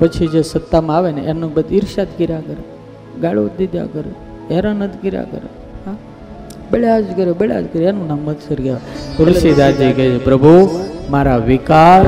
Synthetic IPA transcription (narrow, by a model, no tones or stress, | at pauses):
pət͡ʃʰid͡ʒesət̪ːamãaʋeneʔenõbəd̪iɾʃat̪ɡiɾakəɾe | ɡaɭiod̪id̪ʱja̰kəɾḛ | eɾanət̪ɡiɾa̰kə̰ɾḛ | ɦã | beɭead͡ʒkəɾebeɭa̰d͡ʒkəɾeenũnaməd̪səɾɡaʋet̪ɾɾsid̪ad͡ʒiked͡ʒʰepɾəbʱumaɾaʋikaɾ